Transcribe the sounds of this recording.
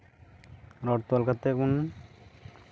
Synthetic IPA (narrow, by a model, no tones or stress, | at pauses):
ɾɔʈt̪ualkat̪ekun